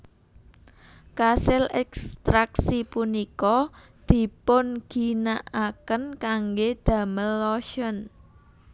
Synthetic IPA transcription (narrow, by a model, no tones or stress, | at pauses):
kasɪlɛkst̪ɾaksipunikɔ | d̪̥i̤pʊnɡ̥i̤naʔakənkaŋɡed̪̥ä̤məlːɔʃən